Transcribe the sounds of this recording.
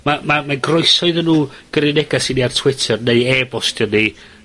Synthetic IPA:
mamamaɡrɔɨsɔɨðənːuːɡ̥əɾɪnɛɡasiniartʰwɪtʰɛrneɨɛːbɔstjəni

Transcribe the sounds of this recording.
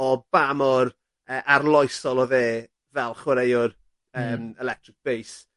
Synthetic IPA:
ɔb̥amɔr | əʔarlˠɔjsɔlˠɔðeː | vɛlˠχwəɾejʊr | əːmɛlɛk̚tʰrɪk̚b̥ejs

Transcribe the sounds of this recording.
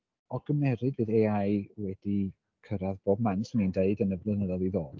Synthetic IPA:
ɔɡəmɛɾɨdvɨðeajwɛdi | kʰəɾaðb̥oːb̚mansmindeɨdənəblˠənəðɔlˠiðoːd̥

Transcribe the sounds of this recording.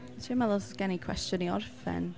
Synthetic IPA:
tʰiəmɛðˠɔsɡ̥ɛnikʰwɛ̰stjəniɔ̰rfɛ̰n

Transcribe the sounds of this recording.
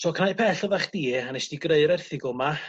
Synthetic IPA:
tʰɔːkʰnaɨpʰɛɬɔðaχd̥iːanɛsd̥iɡreɨɾɛrθɪɡʊma

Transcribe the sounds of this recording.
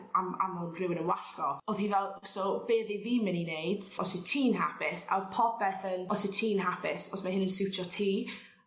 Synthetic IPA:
ama̰mhʊndrɪwɪnənwaɬkɔɔðhivɛlˠsɔbeːðiviːmɛninejd̥ɔsitʰiːnɦapʰɪsa̰ɔð̥pʰɔp̚ʰɛθənɔsɪtʰiːnɦapʰɪsɔsmahɦɪnənsɪwt͡ʃʰɔtʰiː

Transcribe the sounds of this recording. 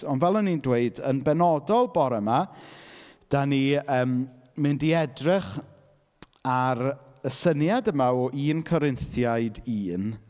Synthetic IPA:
ɔnvɛlˠənindweɨdənbɛnɔdɔlˠbɔɾəma | d̥aniəːm | mɪndiɛdrɪχ | aɾəsənjadəmaɔʔiːnkʰɔɾɪnθjaɨdiːn

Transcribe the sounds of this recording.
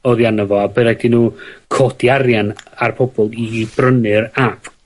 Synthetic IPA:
ɔðjanəvɔabɛɾadinuːkʰɔdiarjanarpʰɔbɔlˠibrənɨɾapʰ

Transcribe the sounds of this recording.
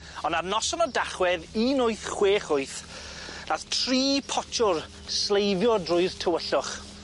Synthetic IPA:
ɔnarnɔsɔnɔdaχwɛðiːnʊɨθχweːχʊɨθ | naθtʰr̥iːpʰɔt͡ʃʰʊr | slejvjɔdrʊɨð̥tʰəwəɬʊχ

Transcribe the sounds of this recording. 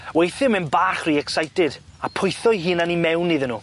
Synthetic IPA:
wejθɪmɛnbaːχriːɛksajtɪd̥apʰʊjθɔjɦɨːnanimɛwnːɨðənuː

